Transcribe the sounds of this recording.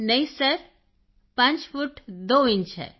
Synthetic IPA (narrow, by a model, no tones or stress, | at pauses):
nɐisəɾ | pɐ̃nt͡ʃfuʈd̪oint͡ʃɦɛ̰